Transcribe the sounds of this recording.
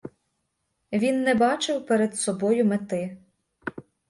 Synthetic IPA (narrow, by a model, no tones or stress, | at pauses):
ʋʲinːɛbɑt͡ʃɪwpeɾed̪sɔbɔjʊmet̪ɪ